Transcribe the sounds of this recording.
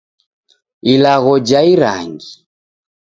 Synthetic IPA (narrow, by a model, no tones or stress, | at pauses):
ilaɣɔd͡ʒaiɾa̰ŋɡi